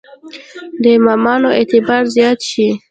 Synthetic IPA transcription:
d̪əmamɑnoet̪ɪbɑɾzjɑt̪ʃi

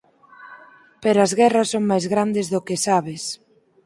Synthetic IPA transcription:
peɾɐzɣɛrɐsːoŋmajzɣɾand̪ɪzðʊkɪsaβɪs

